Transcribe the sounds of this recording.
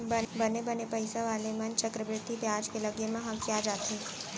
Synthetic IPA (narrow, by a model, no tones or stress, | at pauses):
bənebənepəjsaʋalemənt͡ʃəkɾəbɾɪd̪ʱːibjãd͡ʒkeləɡjəmãɦəkjad͡ʒat̪ʰe